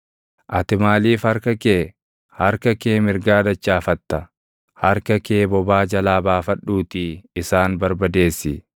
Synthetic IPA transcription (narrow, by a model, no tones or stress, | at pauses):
ʔɐt̪ɪmaːliːfhɐɾkɐkeː | hɐɾkɐkeːmɪɾɡaːd̪ɐt͡ʃːaːfɐt̪ːɐ | hɐɾkɐkeːbɔbaːd͡ʒɐlaːbaːfɐᶑuːt̪iɪsaːnbɐɾbɐd̪e̞ːsːɪ